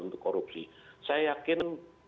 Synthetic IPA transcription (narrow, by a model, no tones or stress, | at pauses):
unt̪ʊkːoɾup̚sḭsajakɪn